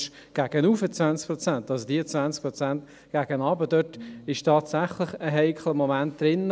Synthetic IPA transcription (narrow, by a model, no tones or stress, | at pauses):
ʃ | ɡ̥aɡ̥ənuːfət͡svant͡sk̚pʁot͡sɛntɑsodiːət͡svænsk̚pɾɔt͡sænt | ɡ̥aːɡ̥ənɑːbədœtɪʃtʰɑːtsæχləχəɦɛɪkʰləmomænt̚d̪̥ɾɪn